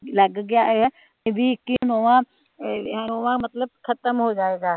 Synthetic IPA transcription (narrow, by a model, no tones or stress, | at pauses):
lɐɡɡɪjaʔɦɛ̃ | bʱikinoːʋã | ɦɛoːʋãmɐt̪ləb̚kʰɐt̪əmɦod͡ʒaːeːɡaː